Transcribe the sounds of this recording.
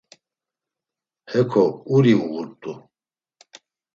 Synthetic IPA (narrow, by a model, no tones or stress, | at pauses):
hɛkʰɔuɾiuɣuɾt̪ʼu